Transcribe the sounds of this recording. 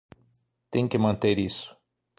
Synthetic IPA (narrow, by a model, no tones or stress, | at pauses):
t̪ẽj̃kɪmɐ̃nt̪eɾisʊ̥